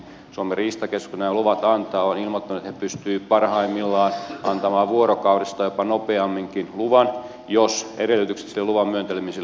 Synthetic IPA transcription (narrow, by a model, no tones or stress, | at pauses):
suomeriːst̪ɑkeskunæːluʋɑt̪ɑnt̪ɑːonilmot̪ːɑnuet̪hepyst̪yːpɑrhɑimːilːɑːnɑnt̪ɑmɑːʋʋuorokɑurist̪ɑjopɑnopeɑmːiŋkinluʋɑn | joseɾelːˑyt̪ykse̥t̪silːeluʋɑmmyønt̪elemise